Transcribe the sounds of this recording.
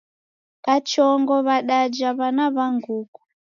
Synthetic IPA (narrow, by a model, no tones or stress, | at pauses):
kat͡ʃɔŋɡɔβaɗad͡ʒaβanaβaŋɡuːku̥